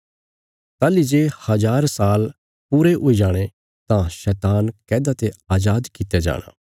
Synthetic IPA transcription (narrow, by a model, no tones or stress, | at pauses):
t̪aːlid͡ʒeːhɐzaːɾsaːl | puːɾeʔoid͡ʒaːɽ̃e | t̪ãʃɛːt̪aːnkɛːd̪at̪eaːd͡ʒaːd̪kɪt̪jed͡ʒa̰ːɽ̃a̰ː